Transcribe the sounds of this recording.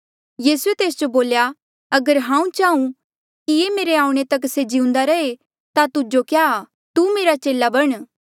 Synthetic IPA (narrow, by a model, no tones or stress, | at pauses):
jiːsuet̪eːsd͡ʒoboːlja | ɐɡəɾɦãːũt͡ʃaːũ | kijemeːɾeaːũɽ̃et̪ɐksed͡ʒɪʊ̃nd̪aɾɐe | t̪at̪ʊd͡ʒokjaː | t̪umeːɾat͡ʃeːlabɐɽ̃